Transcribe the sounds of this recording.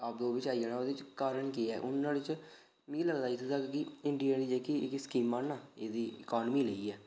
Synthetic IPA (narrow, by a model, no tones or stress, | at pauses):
aːp̚d̪oːʋɪt͡ʃaːid͡ʒaːnãːod̪ɪt͡ʃkaːɾəɳkiːɛ̰ːʔʊnːãːlɪt͡ʃ | mĩːləɡd̪aːiːt̪əd̪aːkkɪɪɳɖijaːniːd͡ʒeːkiɪ̰kskiːmːaːnnaːeːd̪iːɪkɔːnmiːləiːɛː